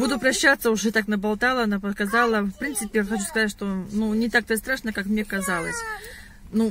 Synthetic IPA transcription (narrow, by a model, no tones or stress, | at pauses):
bud̪ʊpɾɐɕːat̪səʊʐɛt̪aknəbɐlˠt̪alˠənɐpəkɐzalˠəfpɾʲint̪sɨpʲɪjxɐt͡ɕuskɐzatʲʂt̪onunʲɪt̪ak̚t̪ost̪ɾaʂnəkakmnʲekɐzalˠəsʲ | nu